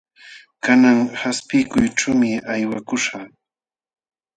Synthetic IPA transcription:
kanaŋhaspɪkʊjʈ͡ʂamɪajwakʊʃa

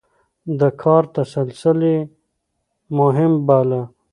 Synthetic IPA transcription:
d̪əkʰɑːɾt̪asəlsəle | mʊɦɪmbaːla

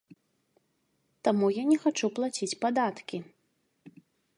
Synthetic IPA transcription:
t̪amujanʲɛxat͡ʂuplˠat͡sʲit͡sʲpad̪at̪kʲi

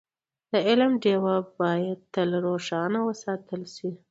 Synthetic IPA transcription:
d̪̥əɪlmɖewabɑjad̪̚t̪əlɾoʂɑnawəsɑt̪əlʃi

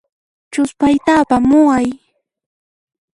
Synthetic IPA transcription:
t͡ʃʊspajt̪aːpamʊaj

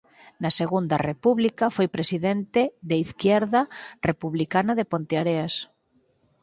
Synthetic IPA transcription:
nɐseɣund̪ɐrepuβlikafojpɾesiðent̪eðeiθkjɛɾðɐrepuβlikanaðepont̪eaɾeas

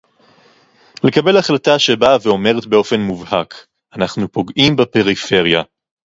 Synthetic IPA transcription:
le̞kabe̞laχlataʃe̞baveo̞me̞ʁetbe̞o̞fe̞nmuvhak | anaχnupo̞ɡʔimbape̞ʁife̞ʁja

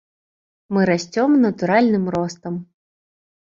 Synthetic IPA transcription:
mɨɾasʲt͡sʲɔmnɐt̪uɾalʲnɨmɾɔst̪ɐm

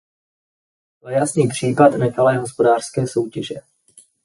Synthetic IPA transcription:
ajasniːpr̝̥iːpatnɛxalɛːɦo̞spo̞daːr̥skɛːso̞wcɛʒɛ

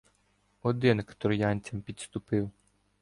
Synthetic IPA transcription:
ɔd̪ɪnkt̪ɾɔjɑnʲt͡sʲɐmpʲit̪st̪ʊpɪw

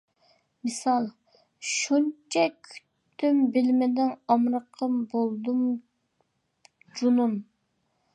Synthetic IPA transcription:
mɨsɑlˠ | ʃunt͡ʃʰɛkʲʰy̥t̪ʰːymbɪlmɪd̪ɪnɑmɾəqʰəmbolˠd̪um | d͡ʒunum

